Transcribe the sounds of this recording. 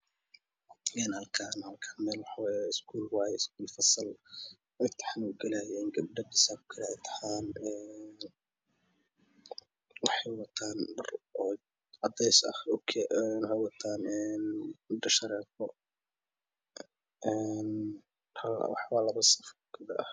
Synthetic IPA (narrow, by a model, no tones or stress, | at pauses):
ɛːnhɐlkʰaːnhɐlkʰanmɛːlwɑħɑwaːjaɪskʰuːlwajɪsk̚ʰuːlfɐsɐl | ɛjt̪ʰɐ̥ħanuɡɐlaːjɛnɡɐb̚ɖɐd̪ɪsaːkʊ̥kʰɐɾɛɛjt̪ʰɐ̥ħaːnɛn | wɑħɑjwɐt̪ʰaːnɖɐrɔ | ʕɑd̪ɛjsɐ̰hʊkʰɛnwħɑjwɑt̪ʰaːnɛːnɖɐʃɐɾɛːfɔ | ɛn | hɐw̰ħwɑːlɐβɐsɐ̥fɡ̥ɐbɖɐʔɐh